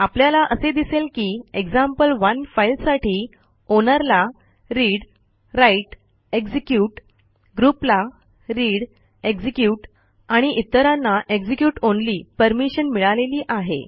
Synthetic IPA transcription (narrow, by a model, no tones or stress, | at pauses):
apljalaʔəsed̪iselkiːeɡd͡zampəlʋənfailsaʈiː | onəɾla | ɾiːɽ | ɾaiʈ | eɡd͡zikjuːʈ | ɡɾupla | ɾiːɽ | eɡd͡ʑikjuːʈ | aɽ̃iʔit̪ːəɾãnːaʔeɡd͡ʑikjuːʈonliːpəɾmiɕənmiɭaleliːʔaɦḛ